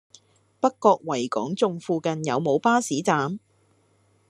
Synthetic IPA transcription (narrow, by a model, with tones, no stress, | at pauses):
pɐ˥kːɔː˧k̚wɐ˨˩jkɔ̰ː˨˥ŋt͡sʊ˧ŋfuː˧kɐ˧njɐ˨˧wmo˨˧wpaː˥siː˨˥t͡saː˨˧m